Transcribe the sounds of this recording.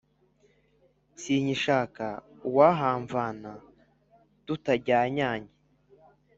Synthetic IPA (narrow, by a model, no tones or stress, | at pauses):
siːɲiʃaːka | waɦaːɱvaːna | tutaɟaːɲaːɲe